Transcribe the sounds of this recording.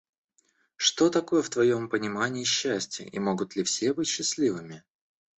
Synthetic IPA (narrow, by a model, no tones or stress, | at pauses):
ʂt̪o̞t̪ɐko̞jəft̪vɐjo̞mpənʲɪmanʲɪːɕːæsʲtʲɪ̰ʔḭmo̞ɡʊt̪lʲɪfsʲebɨtʲɕːɪsʲlʲivɨmʲɪ